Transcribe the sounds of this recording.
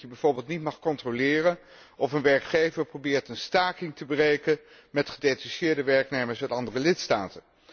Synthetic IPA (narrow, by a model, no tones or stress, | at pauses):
əbɛjv̥ʊːɹbɪːlˠtnitmɑχkɔntrolɪːrən | ʔɔfənʋɛɹkχejvəɹprobɪːɹtənstaːkɪŋtəbərejkən | mɛtχədetaʃɪːɹdəʋɛɹknejməɹsmɛtɑndərəlɪtstaːtən